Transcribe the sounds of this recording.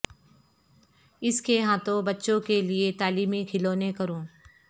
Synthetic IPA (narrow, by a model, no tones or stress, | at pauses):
ɪskeɦãːt̪õbɐtːʃõkeliet̪aːliːmikʰɪloːnekɐɾũː